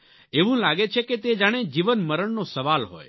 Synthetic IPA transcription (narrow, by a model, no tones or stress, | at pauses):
eʋũlaɡet͡ʃʰeket̪ed͡ʒaɽ̃ed͡ʒiʋənməɾəɳnosəʋalɦo̰j